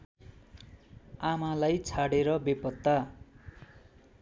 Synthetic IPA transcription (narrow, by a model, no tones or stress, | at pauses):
amalajt͡sʰaɽeɾʌbepʌt̪ːa